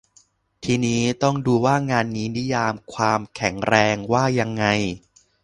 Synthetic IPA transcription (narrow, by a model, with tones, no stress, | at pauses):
t̪ʰiː˧niː˦˥t̪ɔ˥˩ŋduː˧waː˥˩ŋaː˧nːiː˦˥ni˦˥jaː˧mkʰwaː˧mkʰɛ˩˦ŋɾɛː˧ŋwaː˥˩ja˧ŋːa˧j